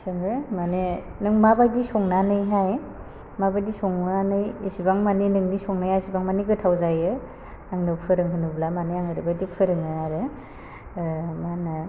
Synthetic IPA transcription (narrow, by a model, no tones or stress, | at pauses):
sɯŋɾɯmanenɯŋmabajdisɔŋnanɯjɦaj | mabajdisɔŋanɯjisibaŋmaninɯŋnisɔŋnajasibaŋmaniɡɯtʰawzajɯ | aŋnɯpʰɯɾɯŋɦɯnublamanɯaŋhɯɾɯbajdipʰɯɾɯŋɯaɾɯ | manɯ